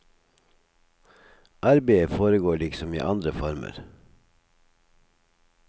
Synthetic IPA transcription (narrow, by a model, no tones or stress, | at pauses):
ʔæɾbeːəfoːɾəɡoːɭɪksɔmḭːʔɑnd̪ɾəfɔɾmə̰ɾ